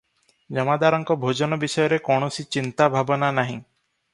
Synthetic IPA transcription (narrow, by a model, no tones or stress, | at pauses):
d͡ʒɔmad̪aɾɔŋkɔbʱod͡ʒɔnɔbisɔjɔɾekɔɽ̃ɔsit͡ʃint̪abʱabɔnanaɦĩ